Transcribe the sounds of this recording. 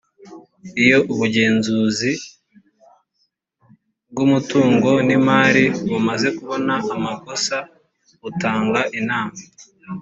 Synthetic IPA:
ijo̞ʔuβuɟe̞ːnzuːzi | b̚ɡumutuːŋɡo̞nimaːɾiβumaze̞kuβo̞naʔːmako̞sa | βutaːŋɡaʔinaːma

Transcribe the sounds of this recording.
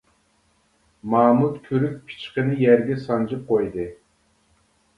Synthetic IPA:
mɑːmut̪kʲʰyɾyk̚ʲpʰi̥t͡ʃqənɨjæɾɡʲɛsɑnd͡ʒɨp̚qojd̪ɨ

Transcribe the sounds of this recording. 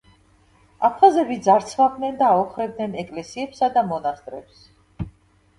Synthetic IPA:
apʰχazɛbid̪zaɾt̪sʰvab̚d̪nɛnd̪aːɔχɾɛb̚d̪nɛnɛkʼlɛsiɛpsad̪amɔnast̪ʼɾɛps

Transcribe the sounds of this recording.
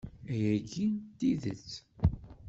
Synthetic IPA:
æjæɡint̪iðə̰t͡sː

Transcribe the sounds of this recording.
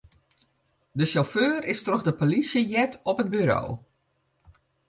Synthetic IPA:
dəʃoføːrɪstrɔxdəpolisjəjɛtɔpənbyɾo̰ː

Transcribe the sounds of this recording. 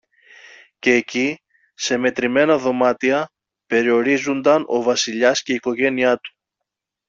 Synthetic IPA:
ce̞ːci | se̞me̞t̪ɾime̞nɐðo̞mɐt̪iɐ | pe̞ɾio̞ɾizund̪ɐno̞vɐsiʎɐsce̞iko̞ʝe̞niɐt̪u̥

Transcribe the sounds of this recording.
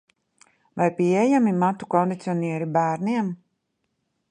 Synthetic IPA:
vajpiɛjamimat̪ukɔnd̪it̪siɔniɛɾibæːɾniɛm

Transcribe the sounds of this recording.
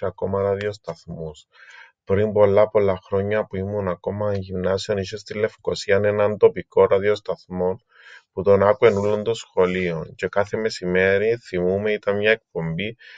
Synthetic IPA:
ɐko̞mɐɾɐðio̞st̪ɐθmus | pɾimbo̞lːɐpo̞lːɐxɾo̞ɲːɐpuimːunɐko̞mɐɲʝimnɐsio̞niʃe̞st̪ilːe̞fko̞siɐnenɐnt̪o̞piko̞ɾɐðio̞st̪ɐθmo̞n | put̪o̞nɐkue̞nulːond̪osxo̞lioɲce̞kaθe̞me̞sime̞ɾiθimume̞it̪ɐnɲɐe̞k̚po̞mbi

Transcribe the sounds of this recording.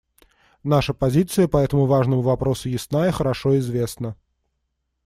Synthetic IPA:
naʂəpɐzʲit̪sɨjəpɐɛt̪əmʊvaʐnəmʊvɐpɾo̞sʊjɪsnajəxəɾɐʂoɪzvʲe̞snə

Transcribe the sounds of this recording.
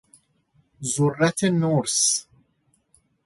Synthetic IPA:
zurːat̪ʰenuɾs

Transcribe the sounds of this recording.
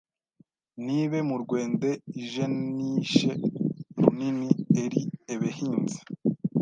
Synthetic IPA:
niβe̞muɾɡwe̞ːnde̞iʒeniʃeɾuninieɾieβehiːnze̥

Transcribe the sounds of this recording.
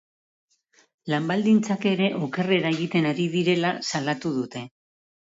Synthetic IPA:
lambald̪int͡sake̞ɾe̞ʔoke̞re̞ɾaeɣit̪e̞naɾið̞iɾe̞lasalat̪uðut̪e̞

